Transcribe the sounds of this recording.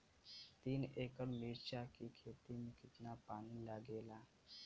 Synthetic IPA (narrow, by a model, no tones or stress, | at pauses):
t̪iːneːkəɾmiːɾt͡ʃaːkikʰeːt̪imẽkɪt̪napaːnilaːɡeːlaː